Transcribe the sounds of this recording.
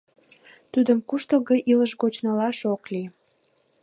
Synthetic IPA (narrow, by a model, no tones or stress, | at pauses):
t̪ud̪əmkuʃt̪oɣəʔiləʃɣot͡ɕnɑlɑʃokli